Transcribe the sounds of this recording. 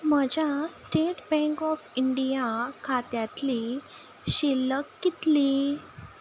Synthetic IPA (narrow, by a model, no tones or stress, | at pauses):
m̤əd͡ʑjasʈeʈbɛ̃ŋkɔfiɳɖijakʰat̪jat̪li | ɕiləkːit̪li